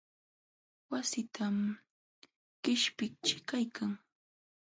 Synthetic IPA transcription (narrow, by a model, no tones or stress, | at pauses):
wasɪt̪ʰam | ɢ̥ɪʃpɪk̚t͡ʃɪ̥kajkʰaŋ